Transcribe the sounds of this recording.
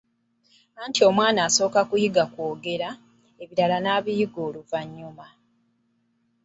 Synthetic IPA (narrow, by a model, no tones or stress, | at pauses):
aːntio̞mwaːnaːso̞ːkakujiɡakwoːɡe̞ɾa | e̞βiɾalanaːβijiɡo̞ːluvaɲːuma